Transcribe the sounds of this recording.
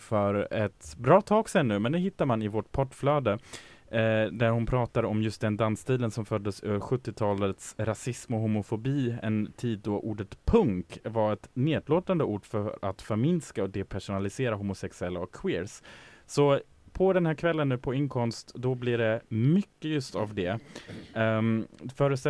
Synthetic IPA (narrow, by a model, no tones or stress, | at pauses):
fœɾɛt̪bɾɑːt̪ʰɑːɡsɛnːʉ̟ːmɛnd̪ɛɦɪt̪ːaɾmanɪvɔʈpʰɔʈːflœːd̪ə | d̪æɾhʊnpʰɾɑːt̪aɾɔmjɵst̪̚d̪ɛnd̪anst̪ʰiːd̪ənsɔmfœd̪ːəsœ̰ːvəɾɧɵt̪ːɪt̪ʰɑːlət̪sɾasɪsmɔɦʊmʊfʊbiːɛ̰nt̪ʰiːd̪̚ːɔʔuːɖət̪pʰɵŋkvaɾɛt̪neːd̪loːt̪and̪əuːɖfœɾa̰t̪faɾmɪnskaɔd̪ɛpʰæʂʊnalɪseːɾaɦʊːmʊsɛksɵɛlːaɔkʰːwɪːɾssɔ | pʰɔd̪ɛnhæːɾkʰvɛlːənːʉ̟ːpʰɔɪŋkʰɔmst̪d̪ɔblɪɖɛmʏkːəjɵst̪avd̪ɛ | fœːɾəs